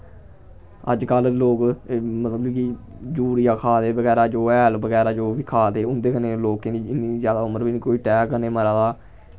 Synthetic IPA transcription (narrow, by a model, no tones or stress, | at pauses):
ə̰d͡ʒkəlloːkmət̪ləbiːkid͡ʒuːɾijaːkʰaːd̪eːbəɡɛːɾaːd͡ʒoːɛːlbəɡɛːɾaːd͡ʒoːbiːkʰaːd̪eːʊnd̪eːkəneːloːkeniːɪnizjaːd̪aːʊməɾbiːniːkoːiːʈɛːkːəneːməɾaːd̪aː